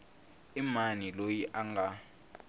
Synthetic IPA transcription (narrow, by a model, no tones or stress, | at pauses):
imanilojiʔaŋʱa